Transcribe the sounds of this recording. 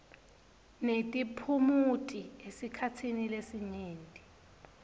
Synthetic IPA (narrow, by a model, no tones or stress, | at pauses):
netʼipʰumutʼiesikʰatʰinilesiɲeːntʼi̥